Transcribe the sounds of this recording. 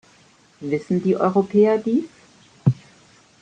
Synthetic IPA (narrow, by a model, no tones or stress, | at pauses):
vɪsn̩diːʔɔ̰ʏʁopʰɛːɐdiːs